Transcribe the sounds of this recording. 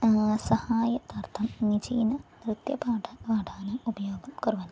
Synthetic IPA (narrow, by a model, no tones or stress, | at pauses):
sɐhaːjɐt̪art̪ʰɐmnid͡ʑiːnɐ | rut̪jɐpaːʈʰɐpaːʈʰaːnɐmubɐjoːɡɐmkurʋɐn